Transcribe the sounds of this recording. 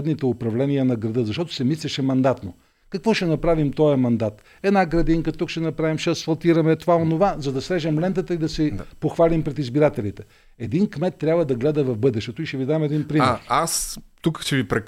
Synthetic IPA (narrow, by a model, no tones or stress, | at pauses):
d̪nit̪ɛopɾɐvlɛnijənɐɡɾɐd̪ɤzɐʃt̪ɔt̪ʊ̥sɛmislʲɛʃɛmɐnd̪at̪no | kɐkvɔʃɛnɐpɾavimt̪ɔjɐmɐnd̪at̪ | ɛd̪naɡɾɐd̪iŋkət̪ukʃɛnɐpɾavimʃɛsfɐlˠt̪iɾɐmɛt̪ovaonovazɐd̪ɐsɾɛʒɛmlɛnt̪ət̪əid̪ɐsɛpoxvalʲimpɾɛt̪izbiɾat̪ɛlit̪ɛ | ɛd̪inkmɛt̪ːɾʲabvɐd̪ɐɡlɛd̪əvɐvbɤd̪ɛʃt̪ɛt̪ʊiʃɛvid̪amɛd̪inpɾimɛɾast̪ukʃt͡ʃɛvipɾɛ